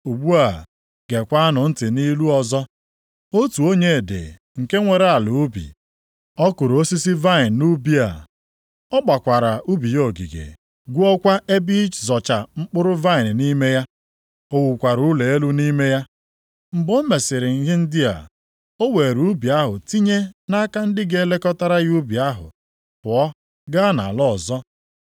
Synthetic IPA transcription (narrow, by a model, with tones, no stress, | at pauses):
u˨ɡ͡bu˦a˨ | ɡ̥e˨kʷa˦a˦nʊ˨n̩˦tɪ˨ni˦lu˦ɔ˨zɔ˦ | o˦tu˨o˦ɲe˦˨dḛ˨ | ŋ̩˨ke˦ŋʷe˨ɾa˨lʊ˨˦bḭ˨ | ɔ˦kʊ˨ɾo˦si˦si˦va˦ɪ˨n˨nu˦bi˦a̰˨ | ɔ˦k͡pa˨kʷa˨ɾa˨u˦bi˨jo˨ɡḭ˨ɡḛ˨ | ɡʷu˦ɔ˦kʷa˦ʔe˦bi˦t͡ʃzɔ˨t͡ʃa˨ŋ͡m̩˦k͡pʊ˦ɾʊ˦va˦ɪ˨n̩˨ni˦me˦ja˦ | o˦wu˨kʷa˨ɾu˨˦le˨e˦lu˦ni˦me˦ja˦ | m̩˨bo˦me˨sɪ˨ɾɪ˨ŋ̩˦ɦɪ˦n̩˦dɪ˦a̰˨ | o˦we˨ɾu˨˦bi˨a˦ɦʊ̰˨ti˦ɲe˦na˦ka˦n̩˦dɪ˦ɡe˦le˦kɔ˦ta˦ɾa˦ɣu˦bi˨a˦ɦʊ̰˨ | pʊ˨ɔ˦ | ɡa˦na̰˨lɔ˦˨zɔ˦